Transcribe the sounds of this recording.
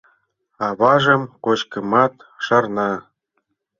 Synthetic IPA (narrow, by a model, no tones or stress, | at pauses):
ɑβɑʒɤ̆mqoɕkɤ̆mɑt̪ʃɑrnɑ